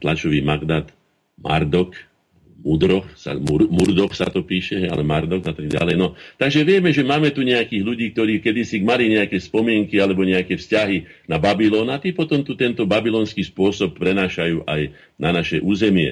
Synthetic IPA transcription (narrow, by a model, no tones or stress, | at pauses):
t̪lat͡ʃɔʋiːmaɡd̪at̪ | ma̰ɾd̪ɔk | mud̪ɾɔxsa̰mumuɾd̪ɔxsa̰t̪ɔpiːʃɛɦɛa̰lɛmaɾd̪ɔɡat̪aɡɟa̰lɛjnɔt̪aɡʒɛʋɪɛmɛʒɛmaːmɛt̪uɲɛakiːɣʎuɟiːk̚t̪ɔɾiːkɛd̪isimaliɲɛakɛspɔmɪɛŋkialɛbɔɲɛakɛfscaɦi | nababilɔːnat̪iːpɔt̪ɔmt̪ut̪ɛnt̪ɔbabilɔːnskiːspʊɔsɔp̚ːɾɛnaːʃajuːʔaj | nanaʃɛʔuːzɛmɪɛ̰